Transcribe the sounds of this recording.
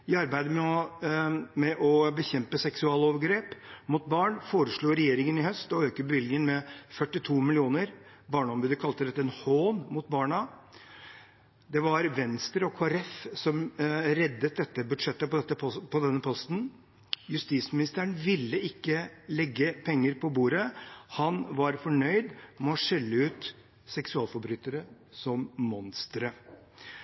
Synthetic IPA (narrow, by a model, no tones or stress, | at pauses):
ɪɑɾbæɪd̪əmɛɔ | mɛʔɔbəçɛmpəsɛksʉɑːloːʋəɾɡɾeːpmʊt̪̚bɑːɳfoːɾəʂɭuːɾɛjeːɾɪŋənɪhœst̪ɔøːkəbəʋɪlɡɪŋənmɛfœʈːɪt̪ʰuːmɪlɪuːnəɾ | bɑːɳəɔmbʉːd̪əkʰɑlt̪əd̪ɛt̪ːəɛnhoːnmʊt̪̚bɑːɳɑ | d̪ɛʋɑɾʋɛnst̪ɾəɔkʰoːɛɾɛfsɔmɾɛd̪ːət̪̚d̪ɛt̪ːəbʉd̪ʂɛt̪ːəpɔt̪ːəpʰɔd̪ɛnːəpʰɔst̪n̩ | jʉst̪iːsmɪnɪst̪əəɳʋɪlːəɪkːəlɛɡːəpʰɛŋːəɾpʰɔbuːɾəhɑnʋɑɾfɔɳœʏd̪mɛɔʂɛlːəʉːt̪ | sɛksʉɑːlfɔɾbɾyːt̪əɾə | sɔmmɔnst̪ɾə